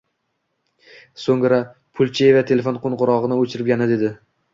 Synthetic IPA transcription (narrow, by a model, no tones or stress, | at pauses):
soŋɾa | pʰʊlˠt͡ʃʰejevat̪ʰe̞lefonqʰonʁʊɾɒʁɨnɪot͡ʃʰɪɾɪp̚ɡʲanɪd̪e̞d̪ɪ